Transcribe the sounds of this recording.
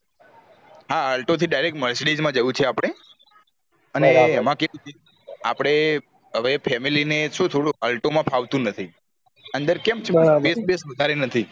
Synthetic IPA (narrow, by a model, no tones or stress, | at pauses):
ɦaalʈot̪ʰiɖajɾek̚ʈməɾsɽid͡ʒmãd͡ʒəjũt͡ʃʰeapɽ̃e | əneːmãkeũt͡ʃʰe | a̰pɽ̃e | ɦəʋepʰɛmilineʃũt̪ʰoɽũalʈomãpʰaʋt̪ũnət̪ʰi | ənd̪əɾkɛmt͡ʃʰebesbesʋəd̪ʱaɾenət̪ʰi